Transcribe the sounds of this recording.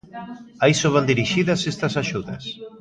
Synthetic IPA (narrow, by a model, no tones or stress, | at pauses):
aisoβ̞and̪iɾiʃiðɐsest̪ɐsaʃuðɐs